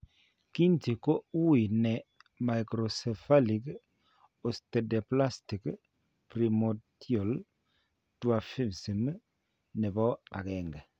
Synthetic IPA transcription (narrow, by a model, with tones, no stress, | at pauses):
ki˦nti˨ko˦u˦i˨nɛ˨ma˨jkɾɔ˨sɛ˨fa˦li˨k | ɔ˨stɛ˨dɛ˨pla˦sti˨k | pɾi˨mɔ˨tjɔ˨l | twa˨fi˦msi˨m˦ | nɛ˨bɔ˦a̰˨kɛ˨ŋɡɛ˨